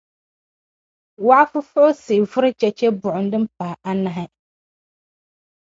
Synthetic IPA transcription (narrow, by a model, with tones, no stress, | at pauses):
wa˦a˦fʊ˦fʊ˦ʔʊ˦sɪ˨vʊ˦ɾɪ˦t͡ʃɛ˦t͡ʃɛ˦bʊ˨ʔʊ˨n˦dɨ˦m˦pa˨a˦na˨ɦɪ˦